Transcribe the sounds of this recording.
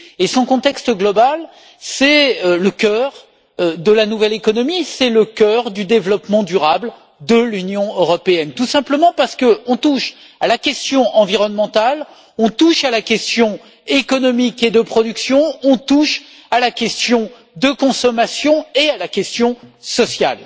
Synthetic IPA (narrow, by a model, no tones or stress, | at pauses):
esɔ̃kɔ̃t̪ɛkst̪əɡlɔbal | sɛləkʲœʁ | d̪əlanuvɛlekɔnɔmisɛləkʲœʁd̪yd̪evlɔpmɑ̃d̪yʁabl | d̪əlynjɔ̃øʁɔpeɛnt̪usɛ̃pləmɑ̃paʁsə̥kəɔ̃t̪uʃ | alakʲɛst̪jɔ̃ʔɑ̃viʁɔnmɑ̃t̪al | ɔ̃t̪uʃalakʲɛst̪jɔ̃ | ekɔnɔmiked̪əpχɔd̪yksjɔ̃ɔ̃t̪uʃ | alakʲɛst̪jɔ̃ | d̪əkɔ̃sɔmasjɔ̃ealakʲɛst̪jɔ̃sɔsja̰l